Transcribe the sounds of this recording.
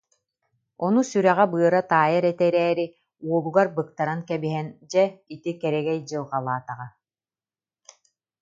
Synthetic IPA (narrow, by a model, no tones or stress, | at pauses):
ɔnusyɾɛʁɛbɯːɾat̪aːjaɾɛt̪ɛɾɛːɾi | uɔbuɡaɾbɯk̚t̪aɾankɛbiɦɛnd͡ʑɛit̪ikɛɾɛɡɛjd͡ʑɯlˠqalˠaːt̪aʁa